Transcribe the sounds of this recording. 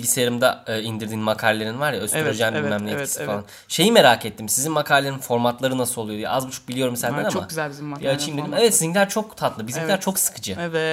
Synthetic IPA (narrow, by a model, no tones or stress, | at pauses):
iɟisejeɾimd̪ɛːind̪iɾd̪iːnmakʰaɾʲlʲeɾinvaɾjaøst̪ʰyɾyɾed͡ʒɛːnimæmlʲijeisi̥falˠan | ʃe̞jime̞ɾaːket̪ːimsizinmakʰaːɾʲelʲeɾninfo̞ɾmat̪lˠaɾɯnasɯolˠujo̞d̪ijɛ̰ʔazbut͡ʃʰu̥k̚bilʲijo̞ɾumsænd̪enamayzælʲbiziajaat͡ʃʰɯjmeimevɛt̪sizimlʲæɾt͡ʃʰo̞kt̪ʰat̪lˠɯbizimʲæɾt͡ʃʰo̞ksɯ̥kʰɯd͡ʒɯ